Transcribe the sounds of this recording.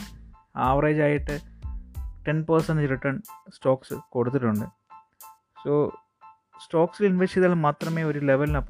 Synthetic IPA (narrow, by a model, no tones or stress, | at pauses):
aːʋrɐjd͡ʑaːjiʈːɨ | ʈenpɐrsɐnɾiʈːɐɳsʈoːksɨkoɽut̪ːiʈːuɳɖɨ | soː | sʈoːksilinʋet͡ɕːiðaːlmaːt̪rɐme̞ːo̞ɾuleʋɐlinɐpː